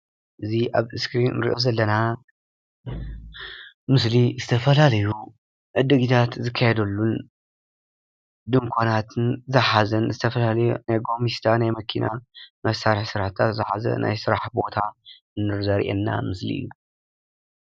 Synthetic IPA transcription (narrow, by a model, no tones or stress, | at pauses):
ʔɨziʔaβɨskɾinɾḭʔo̞zɐlːɐna | mɨslizɨt̪ʰɐfɐlalɐju | ʕɨd̪ɨɡit̪ʰat̪zɨkʰːajɛd̪ɐlːun | d̪ɨŋkʷʰonat̪ʰɨnzɐħazɐnzɨt̪ʰɐfɐlalɐjunajɡo̞mist̪ʰanajmɐkʰinʔa̰mɐsaɾɨħsɨɾaħt̪ʰat̪zɨħazɐ̰na̰jsɨɾaħbo̞t̪ʰa | ɨnːɨɾzɐɾʔɛ̰nːa̰mɨslḭʔɨ̰jːu